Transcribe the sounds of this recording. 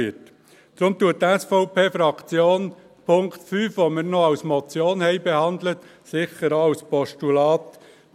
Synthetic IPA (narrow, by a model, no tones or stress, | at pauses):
it | d̥ɾʊmt̪uət̚tːɛsfɔʊpeːfɾɑkt͡sjoːn | pʰʊŋktfyːfʋomɪɾnɔɑwsmɔt͡sjoːnhɛɪbɛhɑnd̪lət̪ | sɪçəɾɑwspɔʃtulɑːt̪